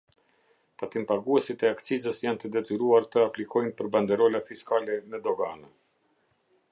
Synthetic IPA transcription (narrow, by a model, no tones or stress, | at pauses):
t̪at̪impaɡuɛsit̪ɛakt͡sizəsjant̪əd̪ɛt̪yɾuaɾt̪əaplikʰɔjnpəɾband̪ɛɾɔlafiskalɛnɛd̪ɔɡanə